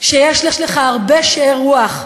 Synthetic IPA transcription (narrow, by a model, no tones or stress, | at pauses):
ʃejeʃleʃleχaaʁbeʃeʁuaχ